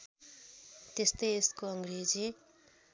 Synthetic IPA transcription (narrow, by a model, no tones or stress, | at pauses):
t̪est̪ʌjeskoʌŋɡred͡zi